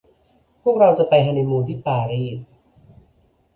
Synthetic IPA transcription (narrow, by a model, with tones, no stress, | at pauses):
pʰu˥˩ək̚ɾa˧wt͡ɕa˨˩pa˧jɦa˥˩jna˧jmuː˧t̪ʰiː˥˩paː˧ɾiː˥˩t̚